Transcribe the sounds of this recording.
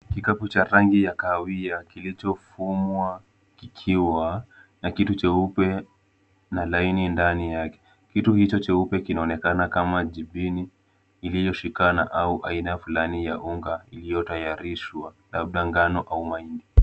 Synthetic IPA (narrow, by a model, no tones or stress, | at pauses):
kikaput͡ʃaɾaŋɡijakawiakilit͡ʃɔfumwa | kikʰiwa | nakitut͡ʃɛupɛ | nalainindanijakɛ̥ | kituhit͡ʃɔt͡ʃɛupɛkinaɔnɛkanakamaʄiɓiniː | lijɔʃikana̰ʔauʔa̰inafulanijaʔuŋɡailijɔtajaɾiʃwalab̚ɗaŋɡanɔʔaumaindi